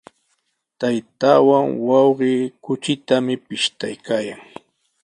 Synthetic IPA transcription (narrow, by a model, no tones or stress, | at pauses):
t̪ajt̪aːwaŋwɑwɢɪːkʊt͡ʃɪt̪amɪpɪʃt̪ajkaːjaŋ